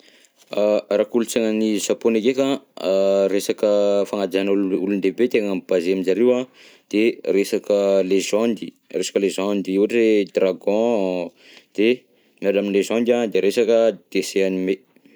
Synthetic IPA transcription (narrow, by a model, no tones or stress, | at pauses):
arakulut͡seŋənizaponekekã | resakəfaŋad͡ʒ̪anlulund̪ebet̪eŋəmb̥azeaminzaɾewa | d̪̥eresakəlezɔ̃nd̪i | resḁkəlezãnd̪iiaʈ͡ʂed̪raɡɔ̃ | d̪̥e | mialaminlezãnd̪ad̪eɾesakəd̪̥eseanime